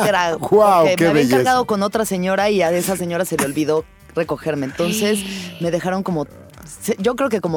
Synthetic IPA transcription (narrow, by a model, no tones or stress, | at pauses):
eɾawawemkeaβeŋʝkeɾɣaðo̞ko̞no̞t̪ɾase̞ɲo̞ɾaiae̞sase̞ɲo̞ɾase̞le̞o̞lβiðo̞ | re̞ko̞xe̞ɾme̞ːnt̪o̞nse̞sme̞ðe̞xaɾo̞ŋko̞mo | seʝo̞kɾe̞oke̞ko̞mo